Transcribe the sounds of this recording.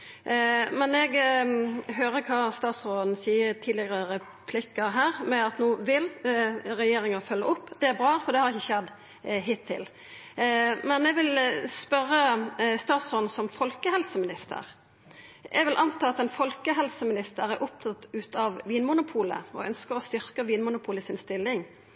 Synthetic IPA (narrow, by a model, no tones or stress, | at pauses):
mɛnɛɡ | ɦøːɾəkʰɑst̪ɑːt̪sɾoːd̪n̩siːət̪ʰiːd̪lɪɡəʁəɾɛ | pʰlɪkːəɦæːɾmɛɑt̪nuːʋɪlɾɛjeːɾɪŋɑfœlːəʔʊpːd̪̥ɛæɾbɾɑːfɔɾd̪ɛhɑɾɪçːəçɛd̪ | ɦɪt̪ʰːɪ̰l | mɛnɛɡʋɪlspœɾːəst̪ɑːt̪sʁoːd̪n̩sɔmfɔlkəhɛlsəmɪnɪst̪ə̰ɾ | ʔɛ̰ɡʋɪlʔɑnt̪ʰɑːɑt̪ɛnfɔlkəɦɛlsəmɪnɪst̪əɾæɾʔʊp̚t̪ʰɑt̪ʉːt̪ɑʋʋiːnmʊnʊpʰuːlə̰ɔ̰œ̰nskəɾɔst̪ʏɾkəʋiːnmʊnʊpʰuːləsɪnst̪ɪlːɪŋ